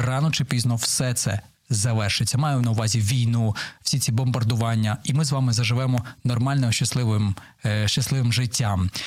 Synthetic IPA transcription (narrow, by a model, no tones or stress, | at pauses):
rɑnɔt͡ʃɪpʲiznɔwsɛt̪sɛ̰ | zɐʋɛrʃɪt͡sʲːɐmɑjɛmnɐʊʋɑzʲiʋʲijnuwsʲit͡sʲibɔmbɐrd̪ʊʋɑnʲːɐimɪzʋɑmɪzɐʒɪʋɛmɔnɔrmɑlʲnɛmʃt͡ʃɐslˠɪʋɪm | ʃt͡ʃɐslˠɪʋɪmʒɪtʲːam